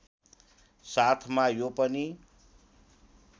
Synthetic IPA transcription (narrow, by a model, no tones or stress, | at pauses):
sat̪ʰmajopʌni